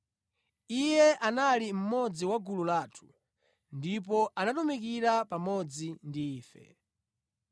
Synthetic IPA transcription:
ijɛʔanalim̩mɔd͡ziwaɡululaːtʰu̥ | ndip̬ɔʔanatumik̬iɾapamɔd͡zindiːfɛ̰

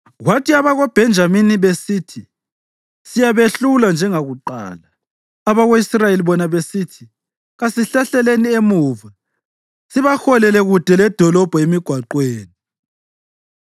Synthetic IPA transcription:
ɣwatʰiaβaɣob̥ʱɛnd͡ʒʱaminiβesitʰi | sijaβeɬuland͡ʒʱɛŋaɣuǃa̰ːlaː | βaɣoisrajeliβɔnaβesitʰi | ɣasiɬaɬɛleniemuːva | siβaxɔlɛlɛɣud̥ʱɛlɛd̥ʱɔlɔb̥ʱɔemiɡ̥ʱwaǃweːni

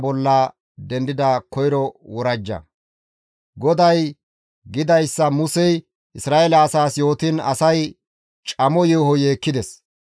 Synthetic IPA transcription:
bɔlːɐ | d̪ɛnd̪ɪd̪ɐkɔjɾɔwɔɾɐd͡ʒːɐ̰ | ɡɔd̪ɐj | ɡɪd̪ɐjsːɐmʊsɛj | ʔɪsɾaːʔelɐːsaːsjo̞ːt̪ɪnɐ̰sɐj | t͡ʃʼɐmɔjehɔjeːkːɪd̪ɛs

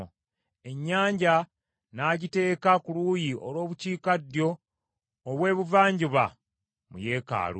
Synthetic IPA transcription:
e̞ɲːaːɲɟa | naːɟite̞ːkakuluːjiʔo̞̰lo̞ːβuciːkadjo̞ː | βwe̞ːβuvaːɲɟiβa | mṵje̞ːka̰ːlṵ

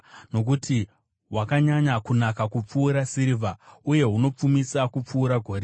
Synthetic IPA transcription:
no̞k̬uti | wakaɲaɲakunakakup͡fuːɾasiɾivʱauje̞ɦuno̞p͡fumisakup͡fuːɾaɡʱo̞ɾe

